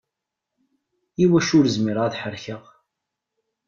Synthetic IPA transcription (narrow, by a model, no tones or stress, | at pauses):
iwæʃʊɾəzmiɾaðħəɾçəʁ